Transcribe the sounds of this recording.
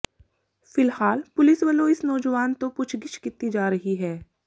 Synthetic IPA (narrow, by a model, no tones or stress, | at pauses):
fɪlhaːlpʊlɪsʋəlõɪsnɔːd͡ʒəʋaːnt̪opʊt͡ʃʰɡɪt͡ʃʰkɪt̪id͡ʒaːɾɐɦiɦɛː